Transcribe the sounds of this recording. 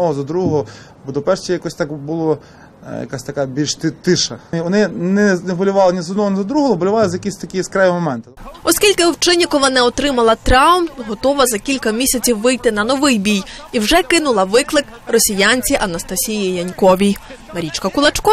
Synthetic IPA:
ɔɦɔzɐd̪ɾuɔɦɔ | bɔd̪ɔpɛrʃt͡ʃɛjɐkɔsʲt̪ɑkbʊlˠɔ | jɐ̰kasʲt̪ɐkabʲilʲʃt̪ɪt̪ɪʃɐʋɔnɪnɛnɛbɔlʲʊʋɑlˠɪnʲɪzɔd̪nɔɦɔnɪzɐd̪ɾuɦɔɦɔbɔlʲʊʋɑlˠɪzɐjɐkʲisʲt̪ɐkʲɪjiskɾaʋʲimɔmɛnt̪ɪɔskʲilʲkɪɔwt͡ʃɪnʲjɐkɔʋɐnɛɔt̪ɾɪmɐlˠɐt̪ɾɑwmɦɔt̪ɔʋɐzɐkʲilʲkɐmʲisʲɐt͡sʲiwʋɪjt̪ɪnɐnɔʋɪjbʲij | iwʒɛkɪnʊlˠɐʋɪklˠɪk | rɔsʲijanʲt͡sʲiʔɐnɐst̪ɐsʲijijɐnʲkɔʋʲij | mɐɾʲit͡ʃkɐkʊlˠɐt͡ʃkɔ

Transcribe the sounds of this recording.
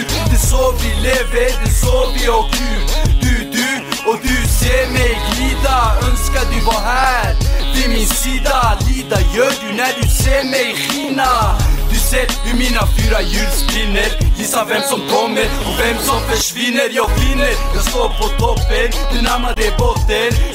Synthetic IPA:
d̪ɛsoːvɪleːvəɾd̪ɛsoːvɪɔkd̪ʉd̪ʉd̪ʉɔd̪ʉseːɾmɛjɡliːd̪aœnskaɾd̪ʉvɑɦæɾvɪmɪnsiːd̪aliːd̪ajœːɖʉnæɖʉseːɾmɛjxiːnad̪ʉseːɾd̪ʉmiːnafyːɾajʉːlspɪnːəɾvɪsːavɛmsɔmkʰɔmːəɾɔvɛmsɔmfœʂvɪnːəɾjɑːɡlɪnːəɾjɑːst̪oːpʰɔt̪ʰɔpːənd̪̥ʉnamad̪ɛbɔt̪ːən

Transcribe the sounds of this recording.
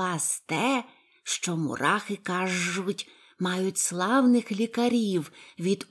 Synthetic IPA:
ɑst̪ɛ | ʃt͡ʃɔmʊ̰ɾɑxɪkɑʒʊtʲ | mɑjʊtʲslˠɑwnɪxlʲikɐɾʲiwʋʲid̪

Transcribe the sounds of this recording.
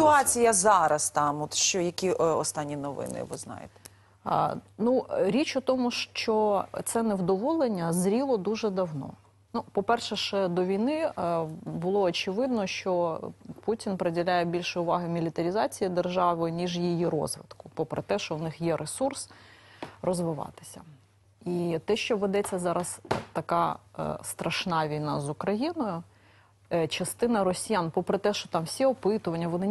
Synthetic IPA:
t̪ʊɑt͡sʲijɐzɑɾɐst̪ɑmɔt̪ʃt͡ʃɔjɐkʲiɔst̪ɑnʲːinɔʋɪ̰nɪ̰ʋɪ̰znɑ̰jḛt̪ɛ̥̰ | nuɾʲit͡ʃʊt̪ɔmʊʃt͡ʃɔt̪sɛnɛwd̪ɔʋɔlˠenʲːɐzɾʲilˠɔd̪uʒɛd̪ɐwnɔ̰ | nupɔpɛrʃɛʃɛd̪ɔʋʲijnɪ | bʊlˠɔːt͡ʃɪʋɪd̪̚nɔʃt͡ʃɔputʲɪnpɾedʲɪlʲajɛbʲilʲʃɛʊʋɑɦɪmʲilʲɪt̪ɐɾʲɪzɑt͡sʲijid̪erʒɑʋɪnʲiʒjijiɾɔ̰zʋɪ̰d̪kʊ̥pɔpɾɛt̪ɛʃt͡ʃɔwnɪxjɛɾʔesurs | rɔzʋɪʋɑ̰t̪ɪ̥sʲɐ | it̪ɛʃt͡ʃɔʋed̪ɛt͡sʲːɐzɑɾɐst̪ɐkɑ̰st̪ɾɐʃnɑʋʲijnɑzʊkɾɐjinɔjʊ | t͡ʃɐst̪ɪnɐɾɔsʲijanpɔpɾɪt̪ɛʃt͡ʃɔt̪ɑmwsʲiɔpɪt̪ʊʋɐnʲːɐʋɔnɪ

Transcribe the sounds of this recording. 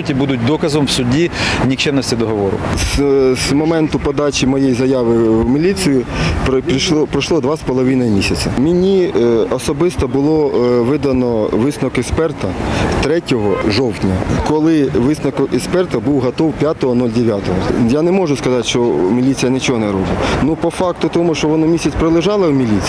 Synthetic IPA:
utʲibud̪ʊt̚ʲd̪ɔkɐzɔmwsʊdʲinʲikt͡ʃɛmnɔsʲtʲid̪ɔɦɔʋɔɾʊ̰szmɔmɛnt̪ʊpɔd̪ɑt͡ʃʲimɔjejzɐjɑʋɪwmʲilʲit͡s̪ʲɨjʊpɾiʃpɾɐʃlˠɔd̪ʋɑspɔlˠɔʋɪnɐjmʲisʲɐt͡sʲɐmʲɪnʲiɔsɔbɪst̪ɔbʊlˠɔʋɪd̪ɐnɔʋɪsnɔkɛspɛrt̪ɐt̪ɾɛtʲɔɦɔʒɔwtʲnʲɐkɔlˠɪʋɪsnɔkʊʔɛspɛrt̪ɐbuwɦɐt̪ɔwpʲjat̪ɔɦɔnulʲd̪eʋʲjat̪ɔɦɔjanɛmɔʒʊskɐzɑt̪ʃt͡ʃɔmʲilʲit͡s̪ʲijɐnɪt͡ʃɔɦɔnɛɾɔbɪtʲnupɔfɑkt̪ʊt̪ɔmʊʃt͡ʃɔʋɔnɔmʲisʲɐt͡sʲpɾelˠɪʒɑlˠɐwmʲilʲit͡sʲ

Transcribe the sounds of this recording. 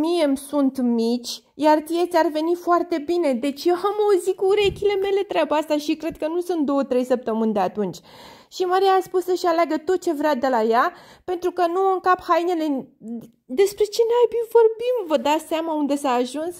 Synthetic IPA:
mije̞msunt̪mit͡ʃʲ | jart̪ijet̪sʲarve̞nifoart̪e̞bine̞d̪e̞t͡ʃjeɦamozikuɾe̞kʲile̞me̞le̞t̪ɾʲabəast̪aʃikɾe̞d̪̚kənusunt̪̚d̪o̞wət̪ɾe̞jsəp̚t̪əmɨnʲd̪e̞at̪unt͡ʃʲʃimaɾiaːspusːəʃaleaɡət̪o̞t̪̚t͡ʃe̞vɾead̪e̞lajape̞nt̪ɾukənuɨŋkaphajnele̞ | d̪e̞spɾe̞t͡ʃe̞neajbimvo̞rbimvəd̪at̪seamaund̪e̞saːʒuns

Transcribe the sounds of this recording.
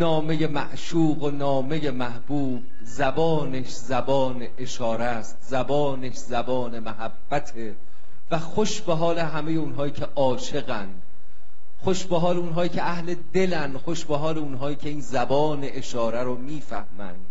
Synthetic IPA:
nɒːme̞je̞mæʔʃuːɣonɒːme̞je̞mæhb̥uːb̥̚ | zæbɒːneʃzæbɒːnʔeʃɒːɾæst̪zæbɒːneʃzæbɒːnemæɦæbːæt̪ʰe | væxoʃbeɦɒːleɦæmejeunɦɒːiːcʰeʔɒːʃe̞ɣæn | xoʃbeɦɒːleunɦɒːjiːkcʰeæhle̞d̪e̞lændxo̞ʃbeɦɒːleunɦɒːiːcʰe̞iːnzæbɒːne̞ʔeʃɒːɾæɾomiːfæhmæ̰nd̪̥

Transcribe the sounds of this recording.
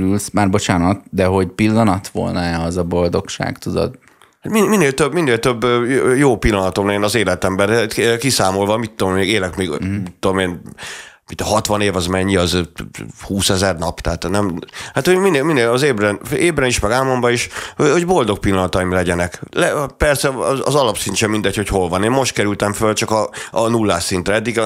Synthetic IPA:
ylsmaːrbo̞t͡ʃaːnɒt̪̚d̪ɛɦo̞ɟpilːɒnɒt̪ʋo̞̰lnɒɛɒzɒbo̞ld̪o̞kʃa̰ːkt̪ud̪o̰d̪ | hat̪mimineːlt̪øbminːeːlt̪øbːjoːpilːɒnɒt̪o̞mlɛjɛnɒzeːlɛt̪ɛmbɛɾkisaːmo̞lvɒmit̪ːoeːɡeːlɛkmeːɡmit̪ːod̪omeːn | it̪ːhɒt̪ʋɒneːvɒzmɛɲːiɒz | huːsɛzɛrnɒpt̪ɛɦaːt̪nɛmhaːt̪hominemineːlɒzeːbrɛneːbɾɛniʃmɛɡaːmo̞mbɒiʃho̞ɟbo̞ld̪o̞k̚pilːɒnɒt̪ɒimlɛɟɛnɛklɛpɛrsɛɒ̰zɒlɒpsiɲt͡ʃɛmind̪ɛcho̞cho̞lvɒneːmmo̞ʃt̪kɛɾylt̪ɛɱfølt͡ʃɒkɒɒnulːaːʃint̪rɛɛd̪ːiɡ

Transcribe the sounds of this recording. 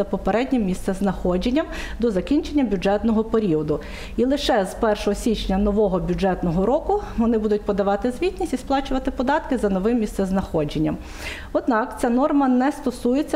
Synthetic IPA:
ɐpɔpeɾɛdʲnʲimʲist̪sɛznɐxɔd͡ʒenʲːɐmd̪ɔzɐkʲinʲt͡ʃenʲːɐbʲud͡ʒɛt̪nɔɦɔpeɾʲiɔd̪ʊ | ilˠɪʃɛzpɛrʃɔɦɔsʲit͡ʃnʲɐnɔʋɔɦɔbʲjud͡ʒɛt̪nɔɦɔɾɔkʊʋɔnɪbud̪ʊt̚ʲpɔd̪ɐʋɑt̪ɪzʋʲitʲnʲisʲtʲisplˠɑt͡ʃʊʋɐt̪ɪpɔd̪ɑt̪kɪzɐnɔʋɪmːʲist̪sɛznɐxɔd͡ʒenʲːɐm | ɔd̪nɑkt͡sʲanɔrmɐnɛst̪ɔsujet͡sʲːɐ

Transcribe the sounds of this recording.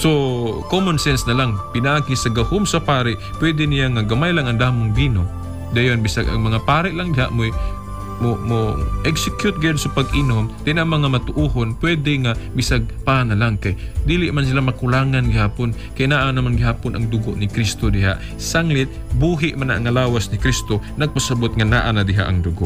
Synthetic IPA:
sokomonsɛnsnɐlaŋpɪnaʔaːɡɪsɐɡɐhomsɐpaːɾɪʔpwɛd̪ɛnɪjaŋaɡɐmajlaŋɐŋd̪aːmʊŋbiːno | d̪ajonbɪsaɡʔɐ̰ŋmɐŋapaːɾɪʔlaŋd̪ɪɦa̰ʔmoj | momoʔɛksɛkjʊt̪̚ɡɛd̪sopɐɡɪnomt̪ɪnʔaŋmɐŋamɐt̪ʊʔuːhonpwɛd̪ɛŋabɪsaɡ̚paːnalaŋkɐjd̪iːlɪʔmans̬ɪlamɐkʊlaːŋanɡɪhaːpon | kɐjnaːʔanamanɡɪɦaːponʔɐŋd̪ʊɡoʔnɪkɾist̪od̪ɪɦa̰ʔ | saŋlɪt̪̚ | buːɦɪʔmanaʔːŋɐlaːwasnɪkɾist̪onɐɡ̚pɐsɐbot̪ŋɐnaːʔanad̪ɪɦa̰ʔɐŋd̪ʊɡoʔ

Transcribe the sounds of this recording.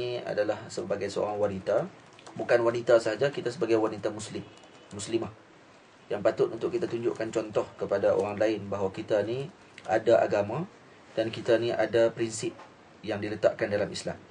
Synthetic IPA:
ia̰dalahsəbaɡajsəo̰ɾaŋwanit̪a | bukanwanit̪asəɦad͡ʒakit̪asəbaɡajwanit̪amuslɪmː | uslimah | jaŋpat̪ʊt̪unt̪ʊʔkːit̪at̪uɲd͡ʒʊʔkant͡ʃɔnt̪ɔhkəpadaʔo̰ɾaŋlaɪnbaɦwakit̪ani | ʔa̰daʔaɡamã | d̥ankit̪aniʔadapɾinsɪp̚ | jaŋdilət̪a̰ʔkandalamisla̰m

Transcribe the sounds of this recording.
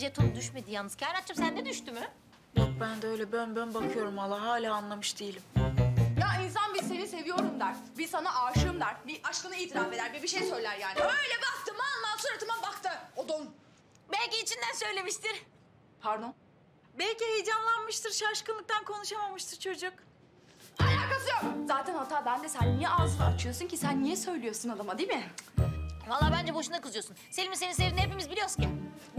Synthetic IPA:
d͡ʒet̪ʰunud̪yʃme̞d̪ijanɯz̥cʰaɾat̪̚t͡ʃʰːamsænd̪ɛd̪yʃt̪ymy | jok̚bænd̪ɛø̞jlʲɛbønbønbakʰɯjo̞ɾumalˠːaɦaːlʲaːanlˠamɯʃd̪ijilʲimjains̬anbizse̞nise̞vijo̞ɾumd̪aɾ | bisanaʔaːʃɯmd̪aɾbiʔaʃkɯnɯiːt̪ʰiɾafe̞d̪æɾbibiʃejsø̞jlʲæɾjaːniø̞jlʲɛbak̚t̪ɯmand̪ansonɾat̪ʰɯmanbakt̪ɯod̪on | bælʲciːt͡ʃʰind̪ænsø̞jlʲe̞miʃt̪ʰiɾ | pʰaɾd̪on | bɛlʲcihejd͡ʒamlˠanmɯʃt̪ʰɯɾʃaɾʃkɯnˠɯk̚t̪ʰankʰo̞nuʃamamɯʃt̪ʰɯɾt͡ʃʰo̞d͡ʒuk | alʲaːkazɯjoɾzaːt̪ʰænhat̪ʰaːbænd̪ɛsænːijɛʔazat͡ʃʰɯjosuncisænːijɛsø̞jlʲijo̞ɾsunad̪amad̪imɪ | valˠːaːbænd͡ʒɛbo̞ʃunakɯzjosunselʲimise̞nins̬evinhep̬imizbilʲijo̞suncʰʲi

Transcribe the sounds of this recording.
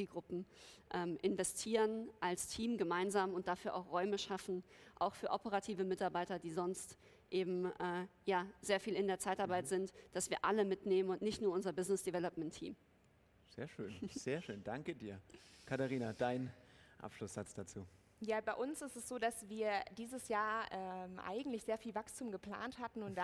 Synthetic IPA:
t͡siːlɡʁʊpm̩ʔɛːmʔɪnvɛstʰiːʁənʔalstʰiːmɡəmaɪnzaːmʊntd̥afyːɐʔaʊxʁ̥ɔʏməʃafn̩ʔaʊxfyːɐʔɔpəʁ̞atʰiːvəmɪtaɐbaɪtɐdiːzɔnst | ʔeːbm̩ʔɛːjaːz̥eːɐfiːlɪndeːɐt͡saɪtaɐbaɪtz̥ɪntd̥asv̥iːɐʔaləmɪtneːmənʊntnɪçtnuːɐʊnzɐbɪznɪsd̥ɛvɛlɔpmɛntʰːḭːm | z̥ḛːɐʃøːnz̥eːɐʃøːnd̥aŋkədiːɐkʰataʁiːnadaɪnʔa̰pʃlʊsz̥at͡sd̥at͡suː | jaːbaɪʔʊnsɪstɛsz̥oːdasv̥iːɐdiːzəsjaːɐɛmʔa̰ɪɡŋ̩tlɪçz̥eːɐfiːlvakstʰuːmɡəpl̥a̰ːnthatn̩ʊntd̥a

